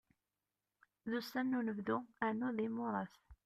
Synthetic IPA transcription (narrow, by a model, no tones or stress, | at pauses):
ðusænːunəvðuanːʊðimʊɾˤɑθ